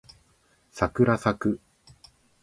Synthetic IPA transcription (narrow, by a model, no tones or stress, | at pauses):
sakɯ̟ɾasakɯ̟